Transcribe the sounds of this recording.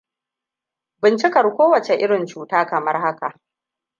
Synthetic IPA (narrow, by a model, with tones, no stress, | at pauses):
bɪ˨nt͡ʃɪ˦kɐ˨rkʷoː˦wɐ˨t͡ʃe˨ʔɪ˦ɽɪ˨nt͡ʃuː˨taː˦kɐ˨mɐ˦rha˦ka˨ʔ